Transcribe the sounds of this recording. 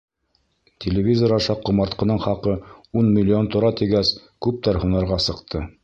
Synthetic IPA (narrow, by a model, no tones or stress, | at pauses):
t̪ʲʰɪlʲɪvʲizoɾɑʃɑq̚qːŏmɑɾt̪qɤ̆nɤɴχɑqɤunmʲɪlʲːɪo̞nt̪ŏɾɑt̪iɡæskʉp̚t̪æɾhunɑɾʁɑsɤ̆qt̪ʰɤ